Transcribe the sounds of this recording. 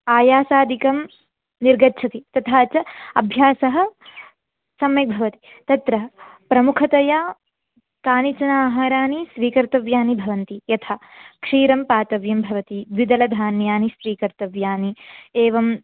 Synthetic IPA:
aːjaːsaːd̪ʱikɐm | niɾɡɐtːt͡ʃʰɐt̪it̪ɐt̪ʰaːt͡ʃɐɐ̰bʱjaːsɐɦɐ̆ | sɐmjɐk̚bʱɐʋɐt̪i̥ | t̪ɐt̪ɾɐɦɐpɾɐmukʰɐt̪ɐjaː | kaːnit͡ʃɐnaːɦaːɾaːnisʋiːkɐɾt̪ɐʋjaːnibʱɐʋɐnt̪ijɐt̪ʰakʂiːɾɐmpaːt̪ɐʋjɐmbʱɐʋɐt̪iʋid̪ɐlɐd̪ʱaːnjaːnisʋiːkɐɾt̪ɐʋjaːnieːʋɐm

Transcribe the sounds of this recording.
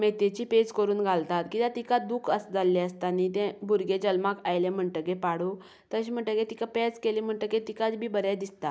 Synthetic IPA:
met̪et͡ɕiːped͡zkəɾuːnɡʱalt̪at̪kit̪ãt̪ikad̪ukʰəsd͡zalːɛəst̪anit̪ɛ̃bʱuɾɡed͡ʑəlmakajlem̤əɳʈəɡepaɽu | t̪əɕim̤əɳʈəket̪ikapɛt͡skeliːm̤əɳʈ̪əket̪ikat͡sbʱiːbəɾjad̪ist̪a

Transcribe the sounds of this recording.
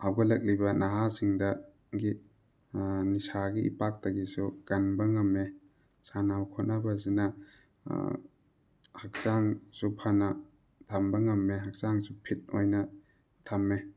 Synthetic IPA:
awɡɐlɐk̚libɐnaɦasiŋdɐ | ɡi | nisaɡiḭpak̚taɡisuɡ̥ɐnbɐŋɐmːe | sanawkʰɔtnabɐs̬inɐ̰ | hak̚saŋsupʰanɐ | tʰambɐŋɐmːeɦak̚saŋsupʰit̚ojnɐ | tʰamːe

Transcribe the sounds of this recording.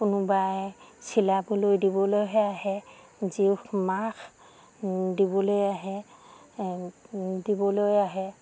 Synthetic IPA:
kʊnʊbajsʰilabulojdibɔlojɦɛaɦɛ | zixmax | dibɔlojaɦɛ | dibɔlojaɦɛ

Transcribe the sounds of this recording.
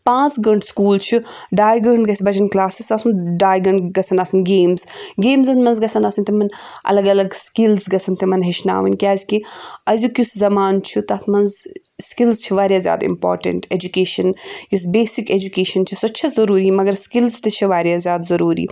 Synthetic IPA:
pãːt͡sɡɐɳʈʰskuːlt͡ʃʰi | ɖaːjɡəɳɖɡɐsibɐt͡ʃɐnklaːsisɐsunɖaːjɡɐɳɖɡɐsʰɐnaːsɐnɡeːmzɡeːmzɐnmɐnzɡɐsɐnasɐnt̪imɐn | ʔɐ̰lɐɡɐlɐɡskilzɡɐsʰɐnt̪imɐnɦeʃna̰ːʋɐ̰nʲkjaːzʲkiɐzʲukʲuszɐmaːnt͡ʃʰut̪ɐt̪ʰmɐnz | skilzt͡ʃʰiʋaːɾjaːzʲja̰ːd̪ḭmpo̰ːɾʈɐ̰ɳʈeːd͡ʒukeːʃɐnjus̬beːsiked͡ʒukeːʃɐnt͡ʃʰisɐt͡ʃʰɐzɐɾuːɾimɐɡɐɾskilzt̪ɐt͡ʃʰiʋaːɾjaːzʲjaːd̪zɐɾuːɾḭː

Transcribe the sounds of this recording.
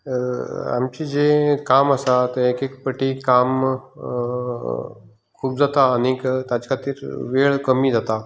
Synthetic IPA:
a̰mt͡ɕiːd͡ʑekamasat̪eekekpəʈiːkam | kʰuːp̚d͡zat̪aənikt̪at͡ɕkʰat̪iːɾʋeɭkəmiːd͡zat̪a

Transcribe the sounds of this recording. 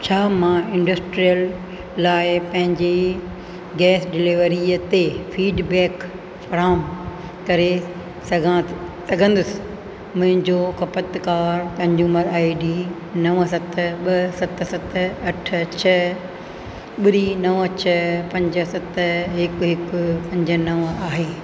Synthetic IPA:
t͡ɕʰaːmãɪ̃ɳɖəsʈɾijəlː | aːɪpɐ̃ɦɪ̃ɲd͡ʑe | ɡɛːsɖɪlɪʋɾiət̪efiːɖbɛːk | fɐɾaːm | kɐɾe | sɐɡʱã | sɐɡʱə̃nd̪ʊsɪ̥ | mʊ̃ɦɪ̃ɲd͡ʑokɐpət̪kaːɾt̪ɐ̃ɲd͡ʑuməɾaːiɖiː | nɐʋsɐt̪ʰɓɐsɐt̪ʰsɐt̪ʰɐʈʰt͡ɕʰɐ | ɓɪɾinɐʋt͡ɕʰɐpɐ̃ɲd͡ʑə̆sɐt̪ʰɦɪkɦɪkpɐ̃ɲd͡ʑə̆nɐʋaːɦeː

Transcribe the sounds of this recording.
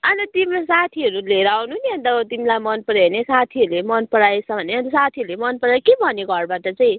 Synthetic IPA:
ʌnit̪imasat̪ʰiʌɾuleɾawnuɦuniʌ̃nt̪ʌʌt̪imlajmʌnpʌɽjanesat̪ʰiʌɾulemʌnpʌɽajet͡sʰʌ̃bʱʌneʌnisat̪ʰiɾulemʌnpʌɽajkebʱʌniɡʱʌrbaʈʌt͡saĩ

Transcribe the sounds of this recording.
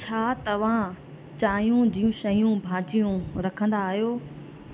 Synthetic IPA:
t͡ɕʰaːt̪ɐʋ̤ã | t͡ɕaːijũd͡ʑiːũʃɐjũbʱaːt͡ɕijũɾɐkʰə̃nd̪aːɦijoː

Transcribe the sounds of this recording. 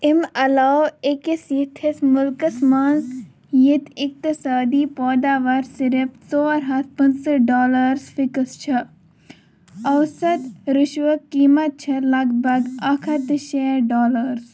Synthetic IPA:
ɪmɐlaːekisjit̪ʰismʊlkəsmaːnz | jit̪ʰɪk̚t̪isaːd̪iːpoːd̪aːʋɐɾsɪɾəpsoːɐɾɦɐt̪̚ʰpɐnsɐʈ̚ɖoːlɐɾsfɪkst͡ʃʰɐ | ɐwsɐt̪ɾɪʃʋəkːiːmɐt̪̚t͡ʃʰɐlɐɡbʱɐɡɐkʰɐt̪ʃeːɖɔːləɾs

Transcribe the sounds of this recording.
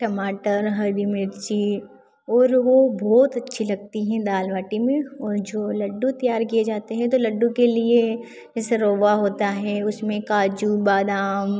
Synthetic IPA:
ʈɐmaːʈəɾɦɐɾd̪imɪt̪d͡ʒiː | ɔːɾʋobɔːt̪ɐtːʃʰilɐɡ̚t̪iɦɛ̃d̪aːlʋaːʈimẽɔːɾd͡ʒoːlɐɖːut̪ɐjaːɾkied͡ʒaːt̪eɦɛ̃t̪olɐɖːũkelie | d͡ʒɛːseɾoːʋaɦoːt̪aɦɛʊsmẽkaːd͡ʒubaːd̪aːm

